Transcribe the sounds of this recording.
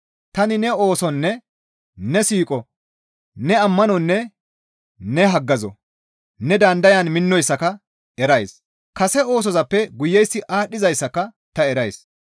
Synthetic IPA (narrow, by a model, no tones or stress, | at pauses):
t̪ɐnɪnɛoːsɔnːɛ | nɛsiːkʼɔ | nɛɐmːɐnɔnːɛ | nɛɦɐɡːɐzɔ̰ | nɛd̪ɐnd̪ɐjɐnmɪnːɔjsːɐkɐ | ɛɾɐjs | kɐsɛo̞ːs̬ɔzɐpːɛɡʊjːɛjsːɪʔaːɗːɪzɐjsːɐkɐ | t̪ɐɛɾɐjs